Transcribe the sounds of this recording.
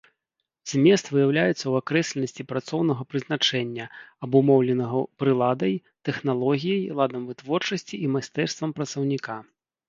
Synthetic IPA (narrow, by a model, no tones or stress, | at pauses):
zʲmʲɛst̪vɨjawlʲajɛt̪sːɐwakɾɛsʲlʲɛnɐsʲt͡sʲipɾat̪sɔwnɐɣɐpɾɨznat͡ʂɛnʲːɐɐbumɔwlʲɛnɐɣɐpɾɨlˠad̪ɐjt̪ɛxnalˠɔɣʲijɐjlˠad̪ɐmvɨt̪vɔrt͡ʂɐsʲt͡sʲiimasʲt̪ɛrst̪vɐmpɾɐt̪sɐwnʲika